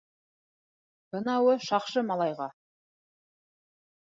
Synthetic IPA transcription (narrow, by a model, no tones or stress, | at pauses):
b̥ənɑwəʃɑqʃəmɑlˠɑjʁɑ